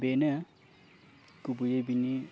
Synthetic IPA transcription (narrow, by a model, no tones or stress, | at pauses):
benə | kubujebini